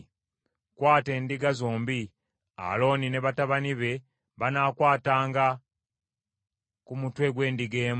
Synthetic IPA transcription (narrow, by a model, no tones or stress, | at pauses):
kwaːte̞ːndiɡazoːmbi | a̰lo̞ːnine̞βataβaniβe̞ | βanaːkwaːtaːŋɡa | kumutwe̞ɡwe̞ːndiɡeːm